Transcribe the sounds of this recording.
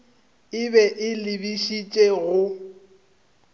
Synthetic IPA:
ɪbɛʔɪlɪbiʃit͡ʃʼeɣʊ

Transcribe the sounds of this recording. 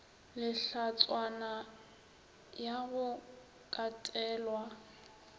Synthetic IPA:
lɪɬat͡sʼwana | jaɣʊ | kʼatʼɛːlwa

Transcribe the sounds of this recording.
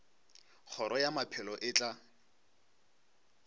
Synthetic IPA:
k͡xʰɔɾʔɔjamapʰɪlɔʔɪːt͡ɬʼa

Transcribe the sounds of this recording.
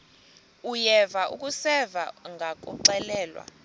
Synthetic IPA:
ujɛvaʔṵk̬ʼusɛvaŋɡʱak̬ʼɔǃɛlɛːlwa̰

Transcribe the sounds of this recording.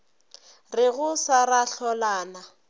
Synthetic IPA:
rɪɣʊsaraɬɔlaːna

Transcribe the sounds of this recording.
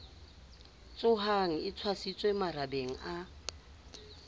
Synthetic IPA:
t͡sʼʊɦaŋ̩ɪt͡sʰwasit͡sʼwemarabeŋ̩a

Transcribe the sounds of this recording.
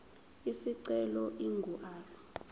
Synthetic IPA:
isiǀɛlɔʔiŋɡʱuʔaːlɔ

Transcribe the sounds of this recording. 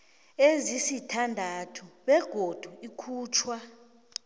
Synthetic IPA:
ezisitʰandʱatʰuɓɛɡ̥ʱod̥ʱuikʰuːt͡ʃʰwa

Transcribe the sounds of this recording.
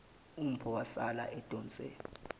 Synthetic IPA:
um̩pʰɔwasala̰ʔɛd̥ʱʼɔːnt͡sʼɛ̰

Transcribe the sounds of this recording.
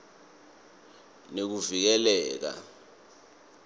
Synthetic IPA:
nek̬uvik̬ɛlɛːk̬a̰

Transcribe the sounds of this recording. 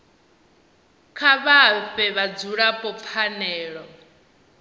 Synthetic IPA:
kʰaβaɸɛβad͡zuɺapʼɔp̪fʰanɛːɺɔ

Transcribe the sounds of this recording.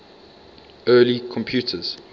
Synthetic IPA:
ɜːlikʰɔ̃mpʰjuːˑtʰəz̥

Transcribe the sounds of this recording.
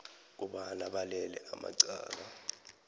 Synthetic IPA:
k̬ʼuɓalaɓalɛlɛ̰ʔama̰ǀaːla

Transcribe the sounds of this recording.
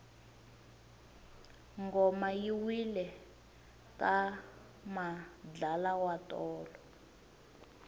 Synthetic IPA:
ŋɡɔmajiwilɛ | ka | mad͡ɮalawatɔːlɔ

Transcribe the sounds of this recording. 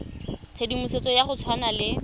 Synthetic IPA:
t͡sʰedimuset͡sɔjaχʊt͡sʰwanalɪ

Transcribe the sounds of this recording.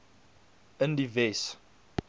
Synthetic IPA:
əndivɛs

